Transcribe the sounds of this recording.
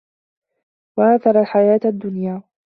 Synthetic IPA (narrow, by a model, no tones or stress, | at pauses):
waʔaːθɑɾˤalħajaːt̪ad̪ːʊnjaː